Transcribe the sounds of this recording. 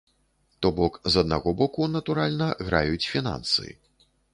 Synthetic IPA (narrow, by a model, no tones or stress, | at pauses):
t̪ɔbɔkzɐd̪̚naɣɔbɔkunɐt̪uɾalʲnɐɣɾa̰jut͡sʲfʲina̰nsɨ̰ḭ